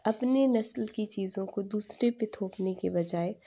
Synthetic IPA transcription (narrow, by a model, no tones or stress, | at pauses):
ɐpnenɐslkit͡ʃiːzõkod̪uːsɾepet̪ʰoːpnekebɐd͡ʒaːe